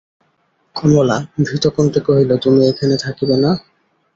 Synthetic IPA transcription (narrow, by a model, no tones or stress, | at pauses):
kʰonolabʱit̪okont̪ekoɦilot̪umiekʰanet̪ʰakibena